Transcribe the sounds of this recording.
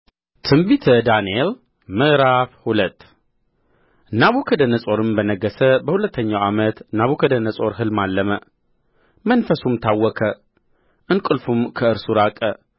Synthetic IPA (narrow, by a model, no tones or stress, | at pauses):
t̪ʰɨmbit̪ʰəd̪aniel | mɨʔɾafhulət̪ː | naβukʰəd̪ənəsʼo̞ɾɨmbənəɡːəsəbəhulət̪ːəɲːawamət̪naβukʰəd̪ənəsʼo̞ɾɦɨlmalːəmə | mənfəsumt̪ʰawːɔkʰə | ʔɨnkʼɨlfumkʰəɨɾsuɾakʼə